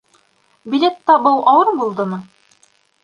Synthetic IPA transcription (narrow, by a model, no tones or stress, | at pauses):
bilʲet̪ːɑbɤw̪ˠʔɑwɤɾbulˠd̪ɤ̆nɤ